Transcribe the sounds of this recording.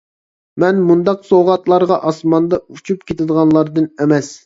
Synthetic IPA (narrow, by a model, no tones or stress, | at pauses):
mɛnmund̪ɑqsoʁɑt̪lˠɑɾʁɑʔɑsmɑnd̪ɑut͡ʃʰupkʲʰet̪ɪd̪əʁɑnlˠɑɾd̪ɨnɛmɛs